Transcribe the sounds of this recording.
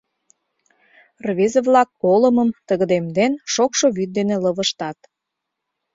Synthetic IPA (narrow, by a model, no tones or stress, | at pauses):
rβezeβlɑkːoləməmt̪əɣəd̪emd̪enʃokʃoβyt̪̚d̪eneləβəʃt̪ɑt̪